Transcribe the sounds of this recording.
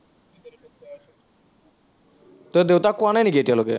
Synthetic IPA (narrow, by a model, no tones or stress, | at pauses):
t̪od̪ewt̪akuanajnikietialokḛ